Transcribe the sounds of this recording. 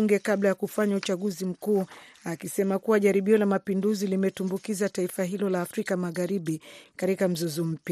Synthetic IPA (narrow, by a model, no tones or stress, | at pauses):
uŋɡɛkablajakufaɲaut͡ʃaɠuzim̩kuː | akisɛmakuwaʄaɾiɓiɔlamapinduzilimɛtumbukizataifaɦilɔlaːfɾikamaɣaɾiɓikaɾikam̩zɔzɔm̩pja